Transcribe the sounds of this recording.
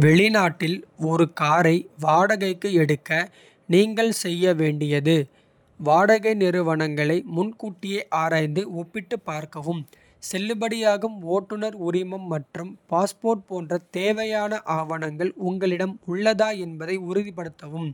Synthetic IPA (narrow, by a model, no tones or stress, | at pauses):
ʋɛɭɪnaːʈːɪlɔɾɯkaːɾɐɪʋaːɽɐɣɐɪkːɯɛɽɯkːɐ | niːŋɡɐɭsɛjːɐʋeːɳɖɪjɐðɯ | ʋaːɽɐɣɐɪnɪɾɯʋɐɳɐŋɡɐɭɐɪmʊnkuːʈːɪjɐʔaːɾaːjnd̪ɯɔpːɪʈːɯpːaːɾkɐʋɯm | sɛlːɯbɐɽɪjaːɣɯmoːʈːɯnɐɾʊɾɪmɐmːɐʈrɯmpaːspoːrʈ̚poːndrɐt̪eːʋɐjaːnɐʔaːʋɐnɐŋɡɐɭʊŋɡɐɭɪɽɐmʊɭːɐðaːɛnbɐðɐɪʊɾɯðɪpɐɽɯt̪ːɐʋɯm